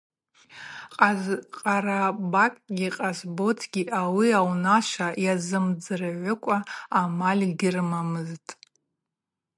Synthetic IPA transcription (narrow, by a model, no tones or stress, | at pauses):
qʼaqʼaɾabakʼɡʲiqʼasbo̞tʰɡʲiʔawiawnaʃʷajazɨmd͡zɨrɨʕʷʊkʷʼaːmalʲɡʲɪrmamɨztʼ